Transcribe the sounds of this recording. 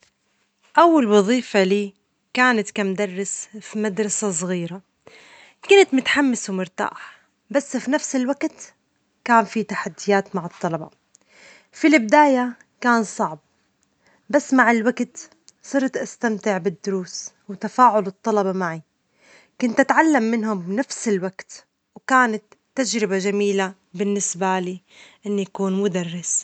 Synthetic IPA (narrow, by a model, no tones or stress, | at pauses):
ʔawːalwɑðˤiːfaliː | kaːnat̪kamʊd̪ɑrˤːɪsfimad̪ɾˤɑsas̬ˤɣiːɾa | kʊnt̪mʊt̪ħamːɪswmʊɾt̪a̰ːħ | basːfinafsɪlwaɡt̪ | kaːnfit̪aħad̪ːɪjaːt̪maʕɨt̪ˤːɑlɑbɑ̰ | filɪbd̪aːja | kaːnsˤɑʕb̚ | basːmaʕɪlwaɡt̪ | sˤɨɾˤt̪ʔast̪amt̪ɪʕbɪd̪ːʊɾuːs | wt̪afaːʕʊlɨt̪ˤːɑlɑbɑmaʕi | kʊnt̪ʔat̪ʕalːamːɪnɦʊmbnafsɪlwaɡt̪ | wkaːnat̪ːad͡ʒɾɪbaʒamiːla | bɪnːɪsbaliː | ʔɪnːjakuːnmʊd̪arːɪs